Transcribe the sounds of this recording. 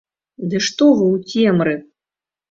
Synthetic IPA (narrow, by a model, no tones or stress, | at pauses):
d̪ɨʂt̪ɔvɨwt͡sʲɛmɾɨ